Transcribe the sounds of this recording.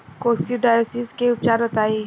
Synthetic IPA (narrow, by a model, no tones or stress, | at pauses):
kosʈ̪iɖajosiskeʊp̚t͡ʃaːɾɔt̪aːe